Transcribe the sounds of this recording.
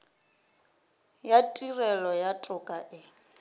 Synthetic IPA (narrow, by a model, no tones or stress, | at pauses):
jatʼirɛlɔjatʼʊkʼaʔɪ